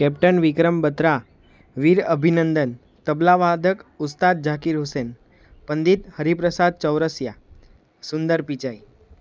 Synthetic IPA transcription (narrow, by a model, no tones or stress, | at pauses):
kɛp̚ʈənʋikɾəmbət̪ɾa | ʋiɾəbʱinənd̪ən | t̪əblaʋad̪ʱəkust̪ad̪̚d͡ʒakiɾɦusen | pənd̪it̪həɾipɾəsad̪̚t͡ʃəwɾəsja | sund̪əɾpit͡ʃai